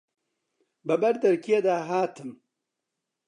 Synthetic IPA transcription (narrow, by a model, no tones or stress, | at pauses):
bɐbɐɾd̪ɐɾkʰied̪aːɦaːt̪ʰɨm